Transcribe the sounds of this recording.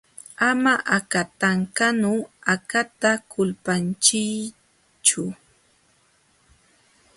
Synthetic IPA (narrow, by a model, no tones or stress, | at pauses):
amaʔakat̪aŋkanʊakat̪akʰʊlpant͡ʃɪj | t͡ʃʊ